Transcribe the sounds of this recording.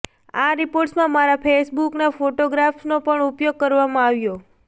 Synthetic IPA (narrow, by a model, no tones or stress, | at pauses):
aɾipoɾʈsmãmaɾapʰesbuknafoʈoɡɾafsnopəɳupjoɡ̚kəɾʋamãaʋjo